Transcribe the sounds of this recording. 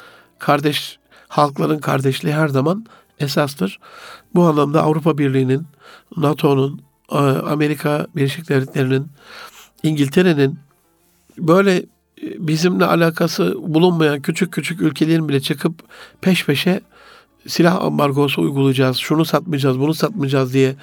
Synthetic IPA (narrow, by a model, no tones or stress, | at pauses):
kʰaɾd̪ɛʃ | halˠklˠaɾɯnkʰaɾd̪ɛʃlʲiːɦæɾzaman | es̬ast̪ʰɯɾ̥buanlˠamd̪aa̰vɾupʰabiɾlʲijːninːat̪ʰo̞nun | a̰me̞ɾikʰabilʲːeʃic̚d̪evlʲet̪lʲe̞ɾinin | iɲɟilʲt̪ʰe̞ɾe̞nin | bø̞jlʲɛ | bizimlʲɛʔa̰lʲaːkʰasɯbulˠunmajancʰyt͡ʃʰyc̚ʰːyt͡ʃʰycylʲcʰe̞lʲeɾinbilʲɛt͡ʃʰɯkʰɯppʰɛʃpʰeʃɛ | silʲaha̰mbaɾɡo̞s̬uṵjɡulˠud͡ʒaːz̥ʃunusat̪mɯd͡ʒaːzbunusat̪̚mɯd͡ʒaːzd̪ijɛ